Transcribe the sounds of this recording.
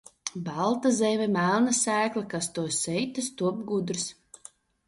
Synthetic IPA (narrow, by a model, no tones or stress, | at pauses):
balˠt̪azɛmʲɛmælˠnasæːklˠakast̪uɔsɛjt̪ast̪uɔb̚ɡud̪ɾs